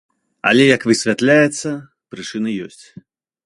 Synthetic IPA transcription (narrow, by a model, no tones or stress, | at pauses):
a̰lʲɛjɐkvɨsʲvʲat̪lʲajɛt̪sːɐ | pɾɨt͡ʂɨnɨjɔsʲt͡sʲ